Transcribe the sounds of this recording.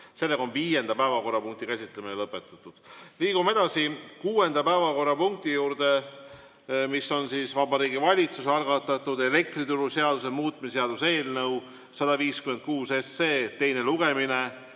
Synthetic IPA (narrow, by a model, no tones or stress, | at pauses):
se̞lːeɡ̥ɑo̞nviːje̞nd̪ɑpæevɑko̞rːɑpuŋk̚t̪ikæsʲit̪ːˑleminelɤpːˑe̞t̪ːˑut̪ːˑud̪̥liːɡume̞d̪̥ɑsikuːe̞nd̪̥ɑpæevɑko̞rːɑpuŋk̚t̪ijuːɾd̪e̞ | misːo̞nsisvɑbɑɾiːɡivɑlʲit̪susɑlɡɑt̪ːˑɑt̪ːˑud̪e̞le̞k̚t̪rit̪uɾuse̞ɑd̪̥us̬e̞muːt̪̚ˑmisseɑd̪̥use̞ːlnɤw | sɑd̪ɑviːskyme̞nt̪̚kuːsesːe̞ːt̪e̞jne̞luɡ̥e̞mine̞